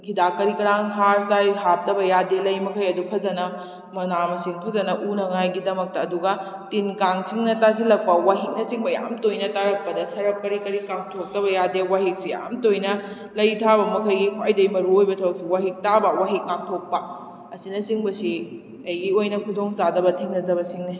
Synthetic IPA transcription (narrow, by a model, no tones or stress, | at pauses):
kʰidakɐɾikɐɾaŋɦaɾsajhap̚tɐbɐjadelɐjmɐkʰɐjɐdupʰɐzɐnɐ | mɐnamɐsiŋpʰɐzɐnɐʔunɐŋajɡidɐmɐk̚tɐːduɡɐ | tinkaŋsiŋnɐtas̬ilɐk̚pɐwaɦik̚nɐsiŋbɐja̰mtojnɐtaɾɐk̚pɐdɐsɐɾɐp̚kɐɾikɐɾikaŋtʰok̚tɐbɐjadewaɦik̚sija̰mtojnɐ | lɐjtʰabɐmɐkʰɐjɡikʰwajdɐjmɐɾuojbɐtʰɐwk̚siwaɦik̚tabɐwaɦik̚ŋak̚tʰok̚pɐ | ɐsinɐsiŋbɐsi | ɐjɡiojnɐkʰudoŋzadɐbɐtʰiŋnɐzɐbɐsiŋne